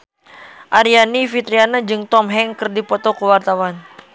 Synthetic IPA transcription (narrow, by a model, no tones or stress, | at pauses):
ʔaɾianifit̪ɾianad͡ʒɨŋt̪ɔmɦɛŋkɨrdipɔt̪ɔkəwart̪awan